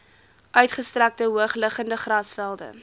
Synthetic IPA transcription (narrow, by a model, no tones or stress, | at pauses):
ʔœɥtχəstræk̚təɦuəχləχəndəχrɐsfælˠdə̰